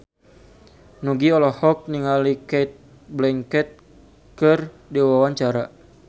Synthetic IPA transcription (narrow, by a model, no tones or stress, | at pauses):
nuɡiɔlɔhɔk̚niŋalikɛt̪̚ | blɛŋkɛt̪̚ | kər | diwawaɲt͡ʃaɾa